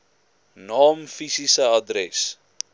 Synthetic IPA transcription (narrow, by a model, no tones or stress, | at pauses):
nɑːmfisisəadɾɛs